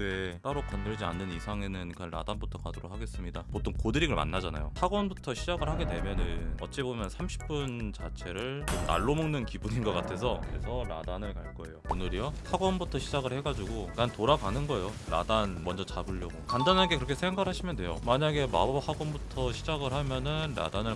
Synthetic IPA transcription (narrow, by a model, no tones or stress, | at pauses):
et͈aɾokʌnːɯɭd͡ʑia̰nːɯnisʰaŋe̞nɯnkanɾa̰danbutʰʌkadoɾok̚haɡe̞s͈ɯmɲidamot͈ʰonkodɯɾiɡɯɭma̰nːad͡ʑana̰jo̰saɡwʌnbutʰʌɕʰid͡ʑaɡɯɭhaɡede̞mjʌnɯnʌ̰t͡ɕ͈ebomjʌnsʰamɕʰi̥p͈unt͡ɕa̰t͡ɕʰe̞ɾɯɭmona̰ɭːomɯŋnɯnkibuɲinɡʌk͈atʰe̞sʰʌḛsʰʌɾa̰danɯɭkaɭk͈ʌe̞joonɯɾiʌhaɡwʌnbutʰʌɕʰid͡ʑaɡɯɭhe̞ɡad͡ʑuɡokantoɾaɡanɯnɡʌe̞joɾa̰danmʌnd͡ʑʌt͡ɕabɯʎːʌɡokandanɦanɡe̞kɯɾʌkʰe̞sʰeŋɡaɭhaɕʰimjʌndwe̞jomaɲaɡe̞ma̰bhaɡwʌnbutʰʌɕʰid͡ʑaɡɯɭhamjʌnɯnɾa̰danɯɭ